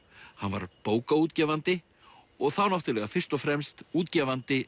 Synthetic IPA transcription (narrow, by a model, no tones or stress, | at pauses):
hanva̰ɾpoːwkauːt̪cɛːvant̪ɪ | ɔɣθawnawht̪ɪlɛːɣafɪr̥t̪ɔfɾɛmst̪uːt̪cɛːvant̪ɪ